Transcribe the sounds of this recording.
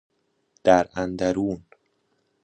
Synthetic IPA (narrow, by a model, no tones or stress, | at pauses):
d̪̥æɾænd̪æɾuːn